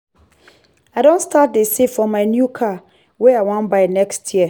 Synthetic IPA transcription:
aɪdõnstat̚desefɔmaɪnjukʰa | wɛaɪwãnbaɪnɛkstʰjiə

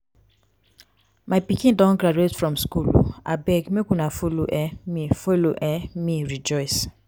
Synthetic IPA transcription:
maɪpikĩndɔ̃nɡɾaduetfɹɔ̃mskulo̰a̰bɛɡmekũnafolo̰ʔɛmifoloʔɛmĩɹid͡ʒɔɪs

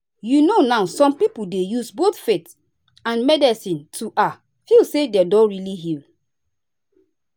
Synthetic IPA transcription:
junonaʊsɔ̃mpipudejusbotfet | ãnmɛdɛsĩntʰuʔa | filsedɛdɔ̃ɹiliɦil

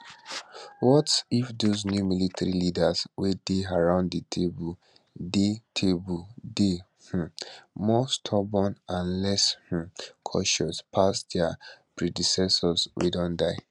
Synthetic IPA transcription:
wɔtifdoznjumilitaɹilidaswedeaɹãʊ̃ndditʰebu | detʰebulde | h̩mɔstʰɔbɔ̃nãnlɛsh̩kʰɔ̰ʃɔspʰasdapɹedisɛsɔswʔḛdɔ̃ndaɪ

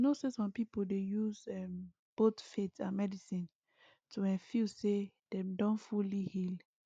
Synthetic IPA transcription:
nosesɔ̃mpipoldejuzɛ̃m | b̥otfetãnmɛdisĩn | tʰuɛ̃nfise | d̥ɛ̃mdɔ̃nfulihil

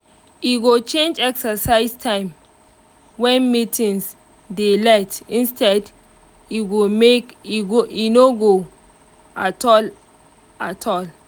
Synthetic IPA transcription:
iɡot͡ʃẽnd͡ʒɛksəsaɪstʰãɪ̃m | wɛ̃nmitʰĩns | delɛtĩnstʰɛd | iɡomekiɡoinoɡo | atɔl | atʰɔl

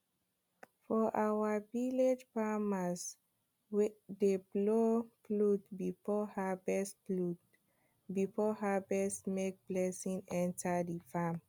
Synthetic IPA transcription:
fɔʔawaviled͡ʒfamas | wdebloplutbifɔhabɛs | bifɔɦabɛsmek̚b̥lɛsĩŋɛ̃ntʰadifam

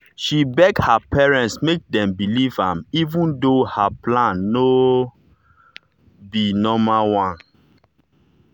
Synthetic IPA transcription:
ʃibɛɡhapɛɹɛ̃ntsmek̚dɛ̃mbilivãmivũndohaplãnːo | binɔmawãn

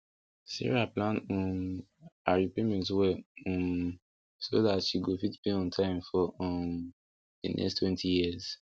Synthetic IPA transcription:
sḭɹiaplãnũm | aɹipemɛ̃ntwɛɔ̃m | soðatʃiɡofitbĩɔ̃ntʰãɪ̃mfɔɔ̃ | dənʔɛ̰stʰwɛ̃ntʰijiz̥

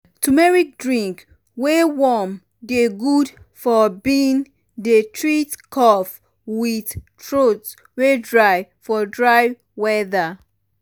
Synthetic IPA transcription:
tumɛɹik̚dɹĩŋk | wewɔm | deɡudfɔbin | detʰɹitkʰɔf | wiθtɹots | wedɹajfɔdɹaj | wɛða

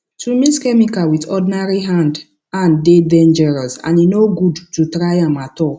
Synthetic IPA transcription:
tumĩskɛmikawitɔdinaɹiɦãnd | ãndevɛ̃nd͡ʒɛɹasã̰ninoɡudtutɾajãmatɔ

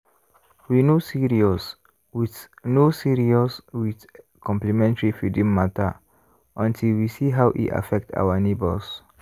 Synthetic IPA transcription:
winosiɹiɔs | wiθnosiɹiɔswiθ | kʰɔ̃mplimɛ̃ntəɹifidĩmːatʰa̰ | ʔɔ̃ntʰilwisiɦawʔḭʔa̰fɛk̚tʰa̰wənebəls

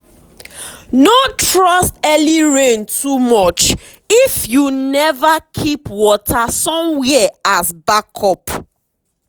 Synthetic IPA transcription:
notɹɔstɛliɹẽntʰumɔt͡ʃ | ifjunɛvakʰipwɔtʰasɔ̃mwɛasbakʰɔp

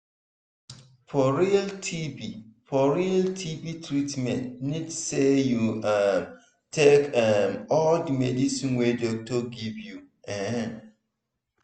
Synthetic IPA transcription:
fɔɹiltʰibifɔɹialtʰibitɹitmɛ̃ntnidsejuam | tʰekamɔldimedisĩnwedɔk̚tɔɡivju | ɛn

